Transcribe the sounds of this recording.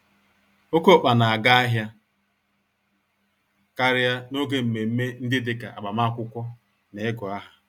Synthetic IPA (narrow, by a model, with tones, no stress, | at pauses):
o˦ko˦˨k͡pa˨na˨a˨ɡa˦a˦ɦja˦ | ka˦ɾɪ˦a˦no˦ɡe˦m̩˨me˨m̩˦me˦n̩˦dɪ˦dɪ˦ka̰˨a̰˨ɡ͡ba˨ma˦kʷʊ˦kʷɔ˦ | ne˨e˦ɡʊ˨a˦ɦa˨